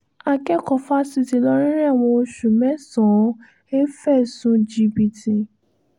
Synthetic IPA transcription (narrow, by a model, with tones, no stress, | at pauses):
a˨kɛ˦kɔ˨fa˦si˧ti˨lɔ˦ɾ̃ĩ˦ɾɛ̃˦a˨w̃ɔ̃˧o˧ʃu˨mɛ̃˨˦sɔ̃˨˦ | e˦fɛ˦˨sũ˧d͡ʒi˧bi˧ti˧